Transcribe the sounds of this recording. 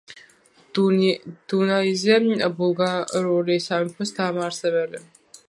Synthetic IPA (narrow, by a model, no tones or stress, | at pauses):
d̪̥unaizɛbulˠɡaɾuɾisamɛpʰɔsd̪aːmaɾsɛβɛlɛ